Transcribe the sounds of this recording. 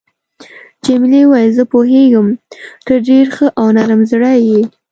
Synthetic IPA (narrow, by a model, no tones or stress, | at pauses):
t͡ʃemɪlewajzəpoɦeɡəmt̪əɾɖeɾxəʔawnaɾəmzɽaje